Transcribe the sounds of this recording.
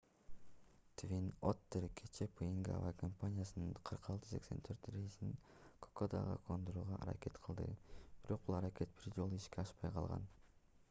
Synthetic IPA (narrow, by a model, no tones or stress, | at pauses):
t̪vʲinot̪ːeɾkʰet͡ʃepʰɨiŋɡa̰vakʰompanʲijasɯnɯɴqʰɯɾqɑlˠt̪ɯ̥se̞̰kse̞̰nt̪ʰøɾt̪ɾejisnin | kʰo̥kod̪ɑ̰ʁɯ̰kʰond̪uɾuːʁɑʔːɾa̰kʲe̞t̪qʰɯlˠd̪ɯ̰b̥iɾo̞q̚bulˠɑɾakʲe̞t̪̚b̥iɾd͡ʒo̞lˠuiʃkʲeɑʃpɑjqʰɑlˠʁɑ̰n